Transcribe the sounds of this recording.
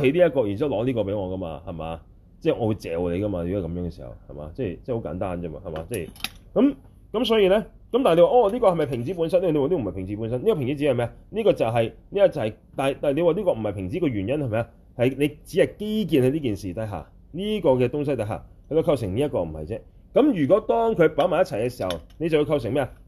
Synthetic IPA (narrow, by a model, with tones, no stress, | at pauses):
ɦe˨˥jliː˥jɐ˥tkɔː˧ji˨˩nt͡si˥˨lɔː˨˥liː˥kɔː˧pe˨˥jŋɔː˨˧kɐ˥ma̰ː˧hɐ˨˩ma̰ː˨˧ | t͡sɛː˥˩ŋɔː˨˧wu˨˧jt͡sɛ̰ː˨wle˨˧kɐ˥maː˧e˨˧˥kɐ˨˦mjœː˨˥ŋkɛː˨˧si̥̰ː˨˩hɐ̰˨˩whɐ̰˨˩jma̰ː˨˦t͡sɛː˥˩jt͡sɛ˥˧ho˧˥wka̰ː˨˥nt̪aː˥nt͡sɐ˥ma̰ː˨hɐ˨˩ma̰ː˨˧˦t͡sɛː˥˩jkɐ˨˦m | kɐ˦msɔː˨˥jiː˧lɛː˥ | kɐ˦mt̪aː˨ne˧jwaː˨ʔɔː˨˧liː˥kɔː˧hɐ˨jmɐ˨˩jpʰɪ˨˩ŋt͡si˨˦˥p̬u˨˥nsɐ˥nːe˥˨e˧wliː˥˨m̩˨˩pʰɪ˨˩ŋt͡si˨˥puː˨˥nsɐ˥nliː˥kɔː˧pʰɪ˨˩ŋt͡si˨˥t͡si˨˧˥hjmɛː˥ɐ˨niː˥kɔː˧t͡sɐ˨wɦɐ˨jniː˥jɐ˧˩t͡sɐ˨˩hɐ˨j | t̪aː˨jt̪aː˨˩ne˨˧waː˨˧liː˥kɔː˧m̩˨˩ɐ˨˩jpʰɪ˨˩ŋt͡siː˨˥kɔː˧ɥyː˨˩njɐ˥nhjmɐ˨ja˧ | hɐ˨jne˨˧jt͡si˨˥hɐ˨jke˥jk̬iː˨nhliː˥kiː˨nsiː˨t̪ɐ˧˥jɦa̰ː˨ | niː˥kɔː˧kɛː˧t̪ʊ˥ŋs̬ɐ˥jt̪ɐ˧˥ɦa̰ː˨kʰjt͡so˧kʰɐ˧ws̬ɪ˨˩ŋniː˥ɐ˥t̚kɔː˧m̩˨˩hɐ̰˨jt͡sɛː˥ | kɐ˨˥mjyː˨˩kɔː˨˥t̪ɔː˥ŋkʰɵ˨˧ɥpaː˨˥maː˨˩jɐ˥t͡sʰɐ˨˩jkɛ˧siː˨˩hɐ̰˨wne˨˧jt͡sɐ˨wji˧wkʰɐ˧ws̬ɪ˨˩ŋmɛː˥ɐ˨